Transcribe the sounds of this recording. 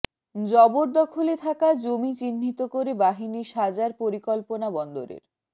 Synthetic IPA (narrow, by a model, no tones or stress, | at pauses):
d͡ʑɔboɾd̪ɔkʰolet̪ʰakad͡ʑomit͡ɕinːit̪okoɾebaɦiniʃad͡ʑaɾpoɾikɔlponabɔnd̪oɾḛɾ